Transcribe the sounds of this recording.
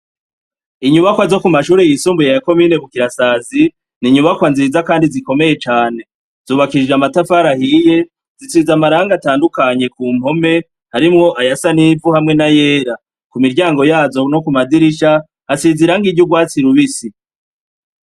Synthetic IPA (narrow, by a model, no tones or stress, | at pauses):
iɲuβakwazo̞kumaʃuːɾe̞jisuːmbujejako̞miːne̞βukiɾasaːzi | niɲuβakwanziːzakaːndiziko̞me̞je̞t͡ʃaːne̞ | z̥uːβakiɾid͡ʒeamatafaɾahiːje̞ | zit͡siːzamaɾaːŋɡataːndukaɲe̞kuːm̥ho̞me̞ | haɾimŋo̞ʔajasanivuhamŋe̞naje̞ːɾa | kumiɾɟaːŋɡo̞jaːzo̞no̞kumadiɾiʃaː | siziɾaŋɡiɟuɡwaːt͡siɾuβisi